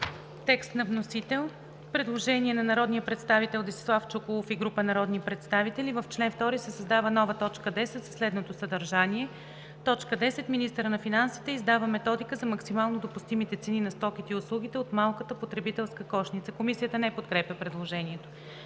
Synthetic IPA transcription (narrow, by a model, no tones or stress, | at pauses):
t̪ɛkst̪nɐvnosit̪ɛlˠ | pɾɛd̪lˠoʒɛniɛnɐnɐɾɔd̪nijəpɾɛt̪st̪avit̪ɛlˠd̪isi̥slˠaft͡ʃokolˠofiɡɾupənɐɾɔd̪nipɾɛt̪st̪avit̪ɛlivəft͡ʃlɛnft̪ɔɾisɛsɐzd̪avənɔvət̪ɔt͡ʃkəd̪ɛsɛt̪zɐslɛd̪not̪osəd̪ɐɾʒaniɛ | t̪ɔt͡ʃkəd̪ɛsɛt̪minist̪əɾənɐfinansi̥t̪ɛizd̪avəmɛt̪ɔd̪ikəzɐmɐksimalˠnod̪opʊst̪imit̪ɛt̪sɛninɐst̪ɔkit̪iʊslˠuɡ̟it̪ɛot̪malˠkət̪əpot̪ɾɛbit̪ɛlˠskəkɔʃnit̪səkomisijət̪ənɛpot̪̚kɾɛpʲjəpɾɛd̪lˠoʒɛniɛt̪o